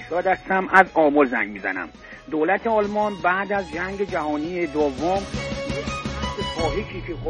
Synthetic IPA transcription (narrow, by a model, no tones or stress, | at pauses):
ʃɒd̪æst̪æmæzɒːmɒɾzæ̰ŋmizæ̰næ̰m | d̪olæt̪ʰeɒːlmɒnbæːd̪æzd͡ʒæŋɟed͡ʒæhɒːnijed̪ovːomeæsekʰɒːɦeʃʰiːkʰex